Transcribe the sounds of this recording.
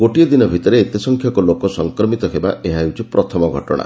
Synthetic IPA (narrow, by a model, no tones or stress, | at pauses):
koʈiɔd̪inɔbʱit̪ɔɾeːt̪jɔsɔŋkʰjɔkɔlokɔsɔŋkɾɔmit̪ɔɦeba̰eɦaewt͡ʃʰipɾɔt̪ʰɔmɔɡʱɔʈɔ̰ɽ̃a̰